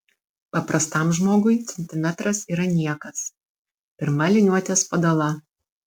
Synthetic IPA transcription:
pɐpɾʔɐst̪ɐˑmʒmoːɡʊɪt̪sʲɛnʲt̪ʲɪmʲæt̪ɾɐsiːɾɐnʲiɛkɐs | pʲɪɾmɐlʲɪnʲuɔt̪ʲɛspɐd̪ɐlˠɐ

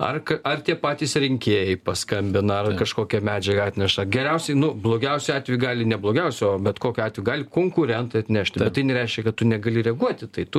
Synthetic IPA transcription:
ɐ̰rkɐɐrt̪ʲiɛpɑːt̪ʲiːsɾʲɪŋʲkʲeːjɛɪpɐskɐmʲbʲɪnɐɐrkɐʃkoːkʲɛmʲæːd͡ʒʲɛɡɐɑːt̪ʲnʲɛʃɐɡʲɛɾʲɛʊsʲɛɪnʊblˠoːɡʲɛʊsʲɛɑːt̪ʲʋʲɛjɡɑːlʲɪnʲɛblˠoːɡʲɛʊsʲɛoːbʲɛt̪koːkʲʊɑːt̪ʲʋʲɛjɡɑːlʲɪkoːŋkʊɾʲɛnt̪ɐɪɐt̪ʲnʲæʃʲt̪ʲbʲɛt̪tɐɪnʲɛɾʲɛɪʃʲkʲɛkɐt̪tʊnʲɛɡɐlʲɪɾʲɛɡuɔt̪ʲɪt̪ɐɪt̪ʊ

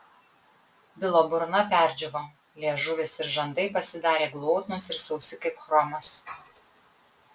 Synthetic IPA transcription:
bʲɪlˠoːbʊɾnɐpʲæˑɾʲd͡ʒʲʊʋo | lʲeɛʒʊʋʲesɪɾʒɐnd̪ɐɪpɐsʲɪd̪ɑːɾʲeːɡlˠoːt̪ʲnʊsɪɾsɐʊsʲɪkɐɪpxɾɔmʲɐs

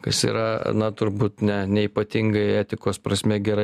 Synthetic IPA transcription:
kɐsḭːɾɐnɐt̪ʊɾbuːt̪nʲɛnʲɛiːpɐt̪ʲɪŋɡɐɪɛːt̪ʲɪkoːspɾɐsʲmʲɛɡʲɛɾɐɪ

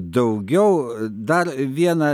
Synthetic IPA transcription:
d̪ɐʊɡʲɛʊd̪ɐɾʋʲiɛnɐ

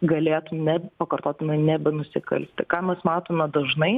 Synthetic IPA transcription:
ɡɐlʲeːt̪ʊmnʲɛpɐkɐrt̪oːt̪ʲɪnɐɪnʲɛbʲɛnʊsʲɪkɐ̰lʲsʲt̪ʲɪkɑːmʲɛsmɑːt̪oːmʲɛd̪ɐʒnɐɪ

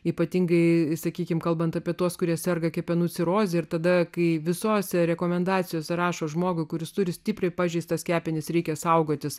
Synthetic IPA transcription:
iːpɐt̪ʲiŋɡɐɪsɐkʲiːkʲɪmkɐlˠbɐnt̪ɐpʲiɛt̪uɔskʊɾʲiɛssʲɛrɡɐkʲɛpʲɛnuːt͡sʲɪɾoːzʲɪɪrt̪ɐd̪ɐkɐɪʋʲɪsoːsʲɛɾʲɛkoːmʲɛnd̪ɑːt͡sʲɪjoːsʲɛɾɑːʃoːʒmoːɡʊɪkʊɾʲɪst̪ʊɾʲɪsʲt̪ʲiːpʲrʲɐɪpɑːʒʲɛɪst̪ɐskʲæːpʲɪnʲɪsɾʲɛɪkʲɛsɐʊɡoːt̪ʲɪs

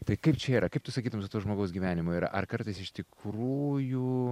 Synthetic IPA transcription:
t̪ɐɪkɐɪpt͡ʃʲɛiːɾɐkɐɪpt̪ʊsɐkʲiːd̪ɐmsʊt̪uːʒmoːɡɐʊsɡʲiːʋʲæːnʲɪmoːiːɾɐ̰ʔɐrkɐɾt̪ɐɪsɪʃt̪ʲɪkɾuːju

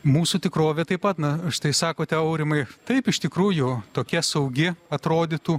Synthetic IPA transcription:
muːsuːt̪ʲɪkɾoːʋʲet̪ɐɪpɐt̪nɐɐʃt̪ɐɪsɑːkoːt̪ʲɛɐʊɾʲɪmɐɪt̪ɐɪpɪʃt̪ʲɪkɾuːjʊt̪oːkʲɛsɐʊɡʲɪɐt̪ɾoːd̪ʲɪt̪uː

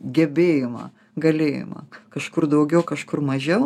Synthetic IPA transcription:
ɡʲɛbʲeːjɪmɐ̰ː | ɡɐlʲeːjɪ̰mɐ̰kɐʃkʊrd̪ɐʊɡʲɛʊkɐʃkʊrmɐʒʲɛʊ

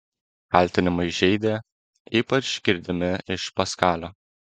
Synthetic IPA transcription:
kɑˑlʲt̪ʲɪnʲɪmɐɪʒʲɛɪd̪ʲeː | iːpɐt͡ʃɡʲɪɾʲd̪ʲɪmʲɪɪʃpɐskɑːlʲoː

